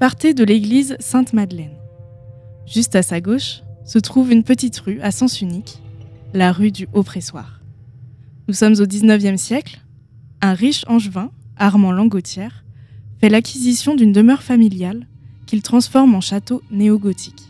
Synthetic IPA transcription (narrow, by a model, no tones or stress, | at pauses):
paʁt̪ed̪əleɡlizsɛ̃t̪mad̪lɛn | ʒ̥yst̪asaɡoʃsət̪χuvynpət̪it̪ʁyasɑ̃syniklaʁyd̪yʔopχeswa̰ːʁ | nusɔmzod̪iznœvjɛmsjɛkl | ɛ̃ʁiʃɑ̃ʒvɛ̃aʁmɑ̃lɑ̃ɡot̪ʰjɛʁfɛlakʰʲizisjɔ̃d̪ynd̪əmœʁfamiljal | kʲilt̪χɑ̃sfɔʁmɑ̃ʃat̪oneɔɡot̪ʰi̥k